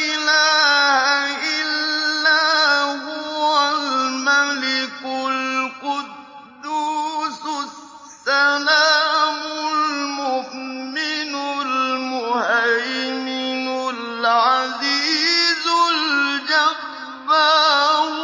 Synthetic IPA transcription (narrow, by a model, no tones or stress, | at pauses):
ɪlaːhaʔɪlːaːhʊwalmalɪkʊllqʊddd̪ːusʊs | alaːmʊlmʊʔmɪnʊlmʊhajmɪnʊl | ʕaziːzʊld͡ʒaː | a